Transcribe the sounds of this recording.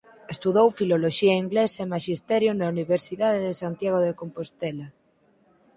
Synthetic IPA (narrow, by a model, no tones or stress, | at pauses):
est̪uðowfiloloʃiaiŋɡlesaemaʃist̪ɛɾjonauniβ̞eɾsiðaðeðesant̪jaɣ̞oðekompost̪ela